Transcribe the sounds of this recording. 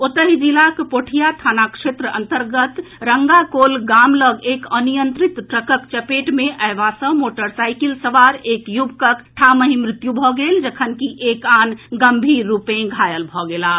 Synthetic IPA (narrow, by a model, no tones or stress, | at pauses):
ot̪əɦid͡ʒilakpoʈʰijat̪ʰanakʂet̪ɾəə̰nt̪əɾɡət̪ɾəŋɡakolɡamləɡekənijənt̪ɾit̪ʈɾəkəkt͡ʃəpeʈmeʔəebasə̃moʈəɾsajkilsəʋaɾekjubkəkʈʰaməɦimɾit̪jubʱɔɡeld͡ʒəkʰənkiʔekanɡəmbʱiːupẽɡʱajəlbʱɔɡela